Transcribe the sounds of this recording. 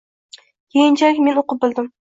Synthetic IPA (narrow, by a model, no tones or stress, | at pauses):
kʲʰejɪnt͡ʃʰakʲmenoqɨp̚bɪlˠd̪ɪm